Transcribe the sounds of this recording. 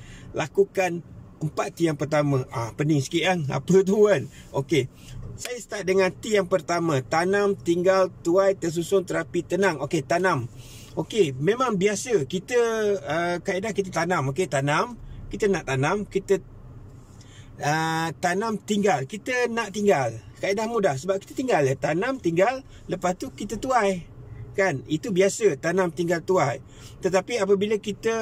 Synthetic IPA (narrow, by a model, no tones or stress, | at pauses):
lʔakukan | əmpat̪t̪ːijaŋpərt̪amãʔapənɪŋsə̥kiaŋa̰pət̪̬uən | oke | sajəst̪aʔ̚dəŋãnt̪ijaŋpərt̪amãt̪anamt̪iŋɡalt̪uajt̪əs̬usʊŋt̪əɾapit̪ənaŋoket̪anam | okemẽmaŋbiasəkit̪əəkaidahkit̪̬ət̪anãmoket̪anamkit̪ənaʔt̪anamkit̪ə | ət̪anamt̪iŋɡalkit̪ənaʔt̪iŋɡalkaidahmudahsəbap̚ki̥t̪ət̪iŋɡalət̪anamt̪iŋɡalː | əpast̪ukit̪ət̪uajkanit̪ubiasət̪anãmt̪iŋɡalt̪uaj | t̪ət̪apiap̬əbiləkit̪ə